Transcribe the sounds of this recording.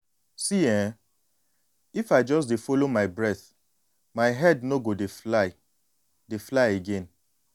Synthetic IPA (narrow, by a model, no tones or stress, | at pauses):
siɛ̃ | ifaɪd͡ʒɔs̬defolomaɪbɹɛθ | maɪɦɛdnoɡodeflaɪ | deflaɪeɡẽn